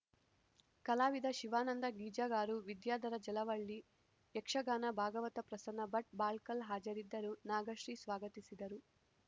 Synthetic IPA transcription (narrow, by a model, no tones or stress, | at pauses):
kɐlaːʋid̪ɐʃiʋaːnɐnd̪ɐɡiːd͡ʒaːɡaːɾuʋid̪jaːd̪ɐɾɐd͡ʒɛlɐʋɐɭːi | jɛkʂɐɡaːnɐbʱaːɡɐʋɐt̪ɐpɾɐsɐnɐbɐʈ̚baːlkɐlɦaːd͡ʒɐɾid̪ːɐɾunaːɡɐʂɾiːsʋaːɡɐt̪isid̪ɐɾu